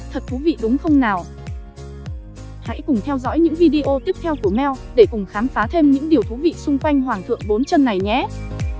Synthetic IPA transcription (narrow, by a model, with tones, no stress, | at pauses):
t̪ʰə˨˩t̚t̪ʰu˨˦vḭ˧˨ɗʊ˨˦ŋ͡mxə˧wŋ͡mnaː˨˩w | ha̰˧˥jkʊ˨˩ŋ͡mt̪ʰɛ˧wzɔ̰˧˥jɲɨ̰˧˥ŋvi˧ɗi˧ʔo˧t̪i˦˥p̚t̪ʰɛ˧wku˧˩əmɛ˧wɗe˧˩kʊ˨˩ŋ͡mxaː˨˦mfaː˨˦t̪ʰe˧mɲɨ̰˧˥ŋɗi˨˩əwt̪ʰu˨˦vḭ˧˨sʊ˧ŋ͡mkwa˧jŋ̟ɦwaː˨˩ŋt̪ʰɨ̰˧˨əŋɓo˨˦nt͡ɕə˧nːa˨˩jɲɛ˨˦